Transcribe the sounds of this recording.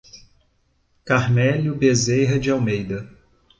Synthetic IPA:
kaɾmɛljʊbezejɦɐd͡ʒɪawmejd̪ɐ

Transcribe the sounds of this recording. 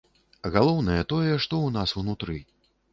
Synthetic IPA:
ɣalˠɔwnɐjɐt̪ɔjɛʂt̪ɔwnasunut̪ɾɨ

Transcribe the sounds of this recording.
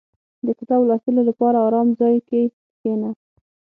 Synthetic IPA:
d̪əkɪt̪ɑwlɑst̪ɪlolapɑɾaɑɾɑmzɑjke | xena

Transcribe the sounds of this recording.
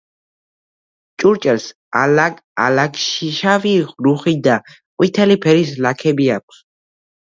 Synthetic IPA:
t͡ʃʼuɾt͡ʃʼɛls | alakalakʼʃiʃaviʁɾuχid̪a | qʼwit̪ʰɛlipʰɛɾislakʰɛbiak̚ʷʰs

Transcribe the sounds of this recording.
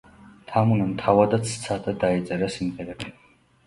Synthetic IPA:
t̪ʰamunamt̪ʰavad̪at̪sʰt̪sʰat̪ʼad̪ait̪sʼɛɾasimʁɛɾɛbi

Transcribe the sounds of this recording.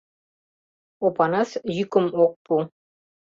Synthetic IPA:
opɑnɑsjykə̆mok̚pu

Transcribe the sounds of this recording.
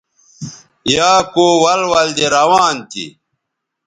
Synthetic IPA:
jaːkoːwɐlwɐld̪eɾɐwaːnt̪ḭ

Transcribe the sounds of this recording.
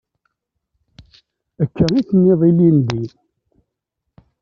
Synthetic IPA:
əkːəɾiθənːɪðˤilind̪i

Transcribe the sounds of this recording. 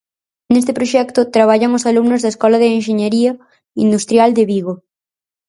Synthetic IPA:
nest̪ɪpɾoʃɛkt̪ʊt̪ɾaβ̞aʎaŋosalumnozðaeskɔlaðeeŋʃeɲeɾiɐ | ind̪ust̪ɾjald̪eβiɣo

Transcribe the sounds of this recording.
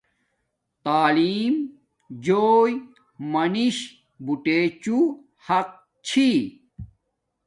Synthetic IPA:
t̪aːliːm | d͡ʑoːj | mɐniɕ | buʈeːt͡ɕu | hɐq̚ | t͡ɕʰi

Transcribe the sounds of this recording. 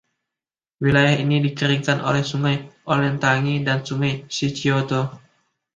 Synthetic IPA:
wilajahinidikəɾiŋkanʔo̰lɛhsuŋajʔolɛnt̪aŋidansuŋajsit͡ʃiot̪o

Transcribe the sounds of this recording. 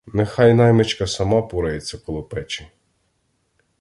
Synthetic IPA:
nexɑjnɑjmet͡ʃkɐsɐmɑpuɾɐjet͡sʲːɐkɔlˠʊpɛt͡ʃɪ

